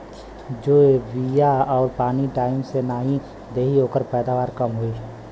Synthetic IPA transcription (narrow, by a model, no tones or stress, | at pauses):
d͡ʒoːeʋijaɔːɾpaːniʈaːɪmsenaːɦĩ | d̪eːɦiɦoːkəɾpɛːd̪aːʋaːɾkəmɦoi